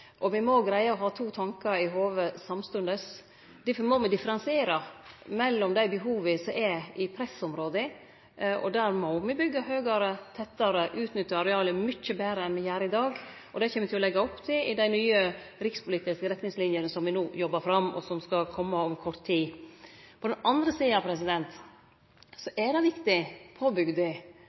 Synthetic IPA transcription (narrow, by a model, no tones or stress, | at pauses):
ʔɔmɪmɔɡɾæɪɑɔɦɑːt̪ʰuːt̪ʰɑŋkɑɾɪɦoːʋəsɑmst̪ʉnd̪əs | d̪̥ɪfmɔmɪd̪ɪfəɾɑnsɪeːɾɑmɛlːɔmd̪æɪbəɦuːʋəsɔʔɛɪpʰɾɛsɔmɾoːd̪ə | ɔ̰d̪æːɾmɔmɪbʏɡːɑɦøːɡɑɾət̪ʰɛt̪ːɑɾəʔʉːt̪nʏt̪ːɑɾɛɑːləmʏt͡ʃːəbeːɾəɛnmɪjæːɾɪd̪ɑːɡ | ʔɔd̪ɛçeːmət̪ʰɪlɔlɛɡːɑɔpːt̪ʰɪʔɪd̪æɪnyːəɾɪkspʰʊliːt̪ɪskəɾɛt̪nɪŋslɪnjənəsɔmʋɪnoːjɔbːɑɾfɾɑmːɔ̰sɔmskɑkʰɔmːəɔmkʰɔɾt̪ʰːiː | pʰɔd̪ɛnɑnd̪ɾəsiːɑnɑpʰɾɛsɪd̪ɛnt̪ | sɔʔɛd̪ɛʋɪkt̪ɪpʰoːbʏɡd̪ɪ